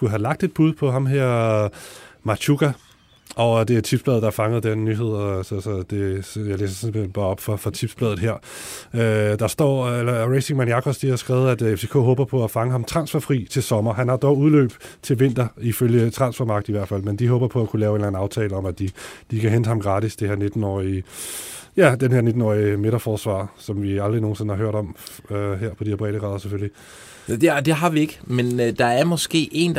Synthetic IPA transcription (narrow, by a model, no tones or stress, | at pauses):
ɡ̥uɦælɑ̈ɡ̥̚d̥e̝d̥̚b̥uð̞ˠpʰɒ̽ɦɑ̈mɦeɐ̰ | mɑ̈t͡ɕʰuɡ̥æ | ʔɒ̽d̥e̝æɐt͡sʰib̥sb̥lɛːð̩̥ˠɑɐfɑ̈ŋəð̩ˠd̥enːyɦe̝ð̞̰ˠɒsɒsɒd̥e̝jɑ̈ɪlḛːsɐse̥enb̥ɑ̈ːɒ̽b̥fɒ̽fɒ̽t͡sʰib̥sb̥lɛːðˠð̩ˠeɐ̰ød̥ɑ̈sd̥ɒ̰ːelɐʁeɪseŋmæniɑkʰɒ̽sd̥ihɑ̈sɡ̥ʁɛːʊð̩ˠæd̥efse̝ːkʰo̰ːɦɔ̽ːb̥ɐpʰɒ̽æfɑ̈ŋəɦɑ̈mt͡sʰʁɑ̈nsfæɐfʁḭːt͡sʰe̝lsɒ̽mɐɦænhɑ̈d̥ɒʊuðˠlø̰ːb̥t͡sʰe̝lʋe̝n̰d̥ɐiføljət͡sʰʁɑ̈nsfæmɑ̈ɡ̥d̥iʋæɐ̰̥fæl̰mend̥iɦɔ̽ːb̥ɐpʰɒ̽ækʰulɛːʊe̝nlæn̩ɑ̈ʊt͡sʰɛːləɒ̽mæd̥id̥ikʰæɦend̥əhɑ̈mɡ̥ʁɑ̈ːd̥isd̥eheɐ̰ne̝d̥n̩ɒ̰ːi | jæd̥enheɐne̝d̥n̩ɒ̰ːime̝ɾ̥ɐfɒːsʋɑ̰̈ːsɒ̽mʋiɑ̈ld̥ʁino̝ːn̩se̝n̩hɑ̈ɦøɐ̰ɾɒ̽møɦeɐ̰pʰɒd̥ieɐb̥ʁɛ̰ːɾ̥əɡ̥ʁɑ̈ːðˠɐsefølli | d̥ed̥e̝ɦɑ̈ʋie̝ɡ̥əmend̥ɑ̈æɐmɒsɡ̥e̝̰ːʔe̝n